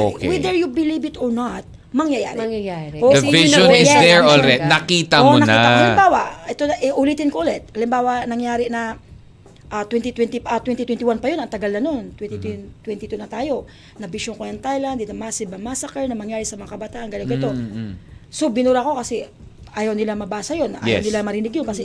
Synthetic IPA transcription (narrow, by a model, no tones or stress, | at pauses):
ʔokwɛd̪ɛɹjubɪlibɪt̪ɔɹnat̪̚ | mɐŋjɐja̰ːɾɛŋjɐjaʔoɐvɪʃonɪsd̪ɛɹolɾɛt̪nɐkiːt̪ɐmonɐkniːaaaɪbaːwɐɛt̪oɐʔɛʔʊlit̪ɪnkoʔʊlɛt̪̚ʔɐlɪmbaːwɐnɐŋjaːɾɪnɐ | ʔɐt̪wɛnt̪ɪt̪wɛnt̪ipʔɐt̪wɛnt̪ɪt̪wɛnɪwanpɐjo̞nɐŋt̪ɐɡɐlnɐno̞nt̪wɛnt̪it̪t̪wɛnt̪ɪt̪unɐt̪aːjo̞ | nɐbɪʃoŋkojɐŋt̪ajlɐnd̪ɪt̪ɐmasɪbɐmasɐkɛɹnɐmɐŋjaːɾɪsɐmɐŋakɐbɐt̪aːʔɐnɡɐlokoʔɪt̪o̞ | sobɪnuɾɐko̞kɐsɛ | ʔaːjɐwnɪlamɐbaːsɐjo̞nːɐʔa̰jjanɪlamɐɾɪnɪɡ̚jonkɐsɛ